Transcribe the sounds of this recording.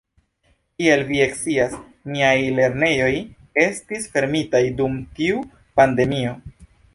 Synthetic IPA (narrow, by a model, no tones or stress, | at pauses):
kie̞lvie̞ksias | miajle̞ɾne̞jo̞j | e̞stisfe̞ɾmitajdumtiu | pande̞mio̞